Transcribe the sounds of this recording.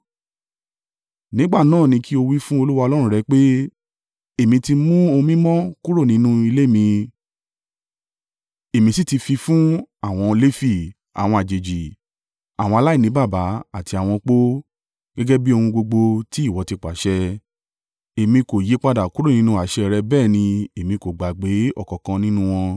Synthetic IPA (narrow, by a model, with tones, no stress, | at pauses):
nĩ˨˦ɡ͡ba˦˨nãː˦˨nĩ˧ki˦o˧wi˦fũ˦o˧lu˦wa˧o˧lɔ˦ɾ̃ũ˦ɾɛ˧k͡pe˦ | e˦˨mĩ˧ti˧mũ˦o˧mĩ˦mɔ̃˦ku˦ɾo˦˨nĩ˨˦nũ˦i˧le˦˨mĩ˧ | e˨mĩ˧si˦ti˧fi˧fũ˦a˦˨w̃ɔ̃˧le˦fi˦˨ | a̰˨w̃ɔ̃˧a˨d͡ʒe˨d͡ʒi˨ | a˨wɔ̃˧a˧la˦i˦˨ĩ˨˦ba˦˨ba˨˦a˦˨ti˧a˨w̃ɔ̃˧k͡po˦ | ɡ̥ɛ˦ɡɛ˦bi˦o˧hũ˧ɡ͡bo˧ɡ͡bo˧ti˦i˦˨wɔ˨˧ti˧k͡pa˨˦ʃɛ˧ | e˨mĩ˧ko˨je˨˦k͡pa˧da˨ku˦ɾo˦˨nĩ˨˦nũ˧˦a˨ʃɛ˧˨˧ɾɛ˧bɛː˦˨nĩ˧e˨mĩ˧ko˨ɡ͡ba˨ɡ͡be˨˦ɔ̰˦˨kɔ˨kã˧nĩ˦nũ˦w̃ɔ̃˧